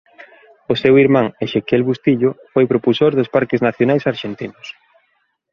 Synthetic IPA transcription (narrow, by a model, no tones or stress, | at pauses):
osewiɾmaŋeʃekelβust̪iʎʊfojpɾopusoɾðʊspaɾkɪznaθjonajsaɾʃent̪inʊs